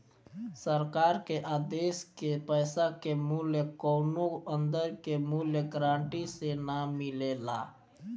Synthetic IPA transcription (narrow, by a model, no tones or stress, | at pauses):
səɾkaːɾkeʔaːd̪eːskepəɪsakemuljəkoːnoə̃nd̪əɾkemuljəɡɾãːɳʈisenamɪlela̰